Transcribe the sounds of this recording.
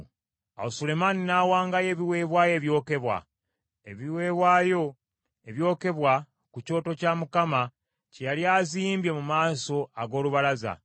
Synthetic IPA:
a̰osule̞maninaːwaːŋɡaje̞ːβiwe̞ːβwaːje̞ːβjo̞ːke̞βwa̰ | e̞βiwe̞ːβwaːjo̞ | e̞βjo̞ːke̞βwa | kuco̞ːto̞caːmukama | cejaljaːziːmbje̞mumaːso̞aɡo̞ːluβalaza̰

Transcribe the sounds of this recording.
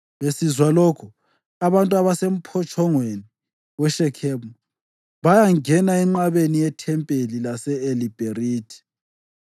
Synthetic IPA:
βesizwalokʰu | aβantʼuaβasem̩pʰɔt͡ʃʰʼɔŋweni | wɛʃɛkʰɛmu | βajaŋɛnaɛŋ͡ǃaβenijɛtʰɛmpʼelilasɛelib̥ʱeriːtʰi̥

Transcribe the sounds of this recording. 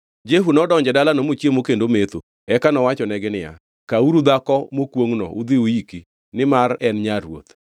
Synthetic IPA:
d͡ʒeɦunɔdɔɲd͡ʒɛdalanomot͡ʃjemokendomet̪o | ɛkanɔwat͡ʃɔnɛɡɪnɪja̰ | kauɾud̪akɔmokwoŋnɔ̰ʔud̪ɪuiki | nɪmaɾɛnɲaɾwo̰t̪

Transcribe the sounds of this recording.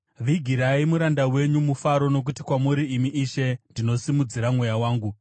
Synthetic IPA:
ʋiɡʱiɾaimuɾandawe̞ɲumufaɾo̞no̞k̬utikwamuɾiːmiʔːʃe̞ndino̞simud͡ziɾamwejawaːŋɡu

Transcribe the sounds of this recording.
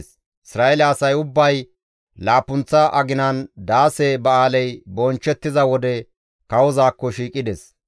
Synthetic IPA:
s | ɪsɾaːɛlɐːsɐjʊbːɐj | laːpʊnt͡sːɐʔɐɡɪnɐnd̪aːsɛbɐaːlɛjbɔnt͡ʃːɛt̪ːɪzɐwɔd̪ɛ | kɐwɔzaːkːɔʃiːkʼɪd̪ɛs

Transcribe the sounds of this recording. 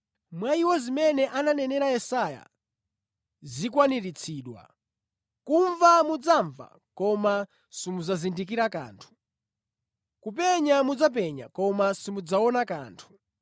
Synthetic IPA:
mwaiwɔzimɛnɛʔananɛnɛɾajɛsaja̰ | zikwaniɾit͡sʰiːɗwa̰ | kuɱvamud͡zaɱva̰ | kɔma | simuzazindik̬iɾaka̰ːntʰu̥ | kup̬ɛɲamud͡zap̬ɛɲa̰kɔmasimud͡zaɔnaka̰ːntʰu̥

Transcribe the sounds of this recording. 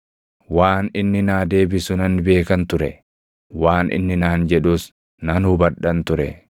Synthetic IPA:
waːnɪnːɪnaːd̪e̞ːbɪsʊnɐnːɪbe̞ːkɐnt̪ʊɾɛ | waːnʔɪ̰nːɪnaːnd͡ʒɛᶑʊs | nɐnhʊbɐᶑɐnt̪ʊɾɛ

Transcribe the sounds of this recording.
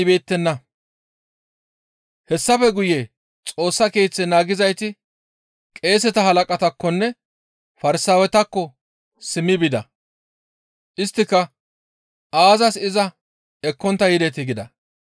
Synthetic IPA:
be̞ːt̪ːɛnːɐ | hɛsːɐfɛɡʊje | t͡sʼo̞ːsːɐke̞ːt͡sːɛnaːɡɪzɐjt̪ɪ | kʼe̞ːs̬ɛt̪ɐhɐlɐkʼɐt̪ɐkːɔnːɛ | fɐɾɪsaːwɛt̪ɐkːɔ | sɪmːɪbɪd̪ɐ̰ | ʔɪst̪ːɪkːɐ | aːzɐsɪzɐ | ɛkːɔnt̪ːɐjɪd̪ɛt̪ɪɡɪd̪ɐ

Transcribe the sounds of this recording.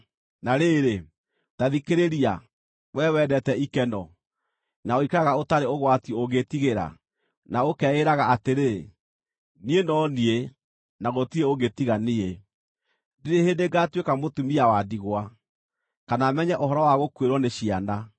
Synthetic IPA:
naɾeɾe | taðikeɾeɾia | wɛwɛdɛtɛikɛnɔ | naoikaɣaotaɾeoɣwatioɣetiɣeɾa̰ | naokɛeɾaɣaateɾe | nienɔnie | naɣotieoɣetiɣanie | deɾehendeɡatwekamotumiawadiɣwa | kanamɛɲɛʔohɔɾɔwaɣokweɾwɔneɕiana

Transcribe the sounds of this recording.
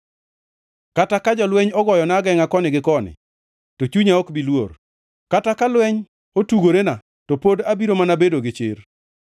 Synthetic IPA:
katakad͡ʒɔlwɛɲɔɡɔjɔnaɡɛŋakɔnɪɡɪkɔnɪ̰ | tot͡ʃuɲaɔkbilwor | katakalwɛɲ | otuɡoɾena | tɔpodabiɾomanabedoɡɪt͡ʃɪr

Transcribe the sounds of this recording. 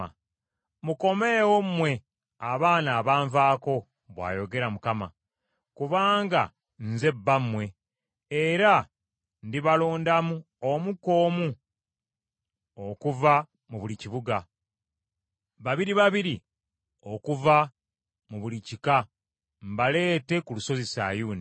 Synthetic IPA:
muko̞mewo̞mmːwe̞ | aβaːnaːβaːɱvaːko̞ | βwa̰ːjo̞ɡe̞ɾamukama | kuβaːŋɡa̰ | nze̞bːamːwe̞ | eɾa | ndiβaloːndamu | omuko̞ːmu | okuva | muβuliciβuɡa | βaβiɾiβaβiɾi | o̞kuva | muβulicika | mbale̞ːte̞kuluso̞zisa̰ːjuːni

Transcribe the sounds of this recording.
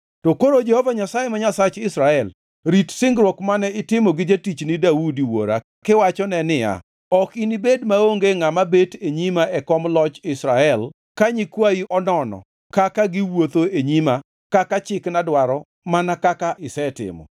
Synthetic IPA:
tokoɾod͡ʒɛhɔvaɲasajemaɲasat͡ʃɪsɾaɛl | ɾitsɪŋɡɾwɔkmanɛɪtɪmɔɡɪd͡ʒetit͡ʃnɪdaudiwo̰ɾa̰ | kɪwat͡ʃɔnɛnɪja̰ | ɔkinibedmaoŋɡeŋamabeteɲimaʔɛkɔmlɔt͡ʃɪsɾaɛl | kaɲikwaiʔɔnɔnɔ̰ | kakaɡɪwot̪oeɲima | kakat͡ʃɪknadwaɾɔ | manakakaʔɪsɛtɪ̰mɔ̰

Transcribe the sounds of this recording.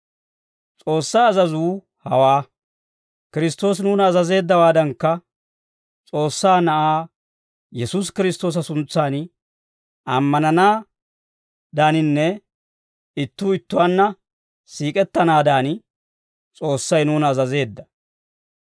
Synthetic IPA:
t͡sʼo̞ːsːɐjɐzɐzuː | hɐ̰waː | kɪɾɪst̪o̞ːs̬nuːnɐːzɐze̞ːd̪ːɐwaːd̪ɐŋkːɐ | t͡sʼo̞ːsːaːnɐʔaː | jɛsus̬kɪɾɪst̪o̞ːs̬ɐsʊnt͡sːaːn | ɐmːɐnɐnaː | d̪aːnɪnːɛ | ɪt̪ːuːɪt̪ːʊwanːɐ | siːkʼɛt̪ːɐnaːd̪aːn | t͡sʼo̞ːsːɐjnuːnɐːzɐze̞ːd̪ːɐ

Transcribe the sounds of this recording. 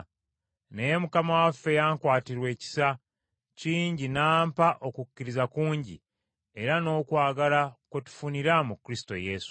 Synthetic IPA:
ne̞je̞mukamawafːe̞jaːŋkwaːtiɾwe̞ːci̥sa | ciːɲɟinaːmpaʔo̞kucːiɾizakuːɲɟḭ | e̞ɾano̞ːkwaːɡalaketu̥funiɾamukɾisto̞̰je̞ːsu̥

